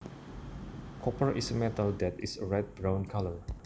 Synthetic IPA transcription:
kʰɔpəɹʔisəmɛtəldɛtisəɹɛt̚bɹãw̃nkʰalə

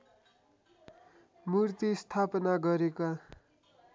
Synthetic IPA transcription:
murt̪ist̪ʰapʌnaɡʌɾeka

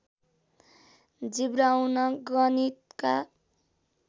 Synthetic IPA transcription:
d͡zibɾawnʌɡʌnit̪ka̰

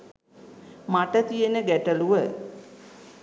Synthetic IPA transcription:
maʈət̪ijenəɡæʈəluʋə

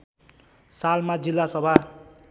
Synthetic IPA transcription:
salmad͡zilːasʌbʱa

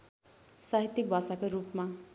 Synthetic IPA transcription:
saɦit̪ːik̚bʱasakoɾupma

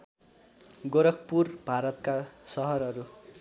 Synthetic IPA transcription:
ɡoɾʌkpurbʱaɾʌt̪kasʌɦʌɾʌɾu

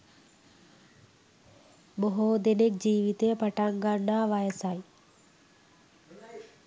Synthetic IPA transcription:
boɦod̪enek̚d͡ʑiːʋit̪ejəpaʈaŋɡaɳːaʋajəsaj

